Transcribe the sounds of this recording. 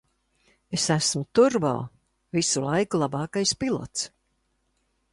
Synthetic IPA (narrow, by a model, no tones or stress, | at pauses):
esæsmut̪uɾba̰ː | visulˠajkulˠɑbɑːkajspilˠɔ̰t̪s